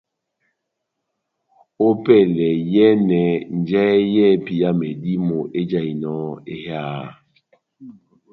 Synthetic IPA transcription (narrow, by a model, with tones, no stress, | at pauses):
o˦pɛ˦˨lɛ˨jɛ˦nɛ˨n̩˨d͡ʒɛ˦jɛ˦˨˦pi˨ja˦mɛ˨di˦mo˨ʔe˦d͡ʒa˦˨i˨nɔ˦e˦haː˦˨